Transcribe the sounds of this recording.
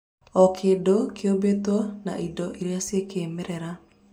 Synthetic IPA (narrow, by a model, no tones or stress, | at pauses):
ɔkʰeːdokʰeobetwɔna̰ʔidɔʔeɾjasjekeːmɛɾɛɾa